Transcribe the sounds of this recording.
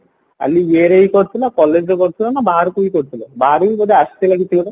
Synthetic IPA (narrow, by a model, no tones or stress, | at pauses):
a̰lieɾejkɔɾt̪ʰilakɔlːed͡ʒɾokɔɾt̪ʰilanabaɦaɾkujkɔɾt̪ʰilabaɦɾuibɔd̪east̪ilaɡit̪ʰibela